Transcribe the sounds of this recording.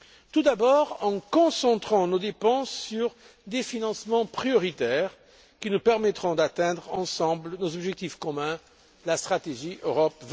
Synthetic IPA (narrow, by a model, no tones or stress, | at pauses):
t̪ud̪abɔʁɑ̃kɔ̃sɑ̃t̪χɑ̃nod̪epɑ̃sːyʁ | d̪efinɑ̃smɑ̃pχijɔʁit̪ɛʁ | kʲinupɛʁmɛt̪χɔ̃d̪at̪ɛ̃d̪ʁɑ̃sɑ̃blənozɔbʒɛk̚t̪ifkɔmɛ̃ | last̪χat̪eʒiʔøʁɔpv